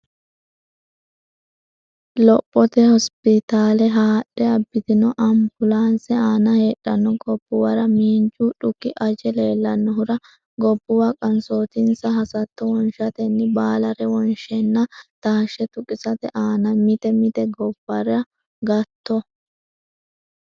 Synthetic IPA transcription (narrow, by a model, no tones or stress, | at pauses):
lɔpʼːɔt̪ɛhɔspɪt̪aːlɛɦaːɗːɛɐbːɪt̪ɪnɔʔɐmbʊlaːnsɛaːnɐheːᶑːɐnːɔɡɔb̥ːʊwɐɾɐmiːnd͡ʒuᶑʊkːɪʔɐd͡ʒɛle̞ːlːɐnːɔɦʊɾɐ | ɡɔbːʊwɐkʼɐnso̞ːt̪ɪnsɐɦɐsɐt̪ːɔwɔnʃɐt̪ɛnːɪbaːlɐɾɛwɔnʃɛnːɐt̪aːʃɛt̪ʊkʼɪsɐt̪ɛʔaːnɐmɪt̪ɛmɪt̪ɛɡɔb̥ːɐɾɛɐ | ɡɐt̪ːɔ